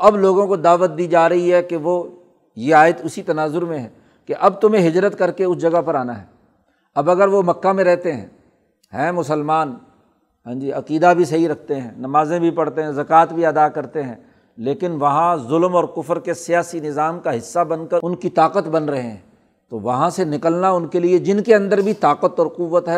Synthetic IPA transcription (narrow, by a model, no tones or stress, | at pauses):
ɐbloːɡõkod̪aːʋət̪̚d̪iːd͡ʒaːɾɐɦiɦɛkeʋo | jeaːɪt̪ʊsit̪ɐnaːzʊɾmẽɦɛː | keʔɐb̚t̪ʊmẽɦɪd͡ʒɾət̪kɐɾkeʊsd͡ʒɐɡapɐɾaːnaɦɛː | ɐbɐɡəɾʋomɐkːamẽɾɛɦt̪eɦɛ̰̃ː | hɛ̃ːmʊsəlmaːn | ɦãːd͡ʒiɐqiːd̪abʱis̬ɐɦiɾɐk̚ʰt̪eɦɛ̃ːnɐmaːzẽbʱipɐɽt̪eɦɛ̃zɐkaːt̪bʱiɐd̪akɐɾt̪eɦɛ̃ː | leːkɪnʋɐɦãzʊlmɔːɾkʊfɾkesijaːsinɪzaːmkaɦɪsːabɐnkɐɾʊnkit̪aːqət̪bɐnɾɐɦẽɦɛ̰̃ | t̪oʋɐɦãsenɪkəlnaʊnkelied͡ʒɪnkeɐ̃nd̪əɾbʱit̪aːqət̪ɔːɾqʊʋːət̪ɦɛ